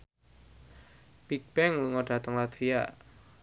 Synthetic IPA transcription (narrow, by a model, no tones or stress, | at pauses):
pik̚b̥ɛŋluŋɔɖ̥a̤t̪əŋlat̪ʰia